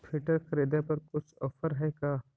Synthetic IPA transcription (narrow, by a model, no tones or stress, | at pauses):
pʰɪʈəɾkɾeːd̪epɐɾkʊt͡ʃʰɔfəɾɦɛkaː